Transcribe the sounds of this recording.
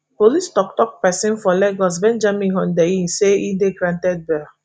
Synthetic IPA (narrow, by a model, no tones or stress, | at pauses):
polistɔktɔk̚pɛsĩnfɔlɛɡɔs̬bɛ̃nd͡ʒamĩɦɔ̃ndeiseideɡɾãntɛd̚bɛ